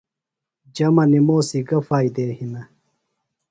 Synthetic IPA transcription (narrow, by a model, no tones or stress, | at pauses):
d͡ʑɐmɐnimoːsiɡɐfaːid̪eːhinɐ